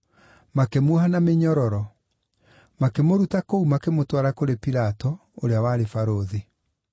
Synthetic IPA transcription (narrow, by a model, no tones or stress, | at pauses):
makemwɔhanameɲɔɾɔɾɔ | makemoɾutakoumakemotwaɾakoɾepiɾatɔ | oɾeawaːɾefaɾoðe